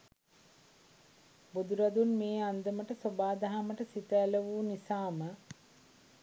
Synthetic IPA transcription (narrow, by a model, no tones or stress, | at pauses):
bud̪uɾɐd̪unmeːand̪əməʈəsobaːd̪aɦaməʈəsit̪əːləʋuːnisaːmə